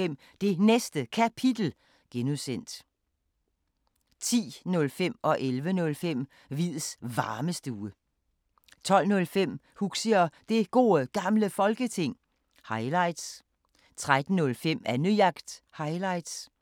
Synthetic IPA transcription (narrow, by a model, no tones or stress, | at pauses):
em̰ | d̥e̝nesd̥əkʰæpʰid̥l̩ | ɡ̥enusen̰d̥ | t͡sʰḭːnɔ̽lfem̰ɒ̽ʔelʋənɔ̽lfem̰ | ʋið̰ˠsʋɑ̈ːməsd̥əuːə | t͡sʰɒ̽l̰nɔ̽lfem̰ | huɡ̥səɒd̥e̝ɡ̥o̝̰ːɡ̥ɑ̈mləfɒ̽lɡ̥ət͡sʰe̝ŋ̰ | hɑ̈ɪlɑ̈ɪd̥s | t͡sʰʁad̥n̩ːɔ̽lfem̰ænyjɑ̈ɡ̥d̥hɑ̈ɪlɑ̈ɪd̥s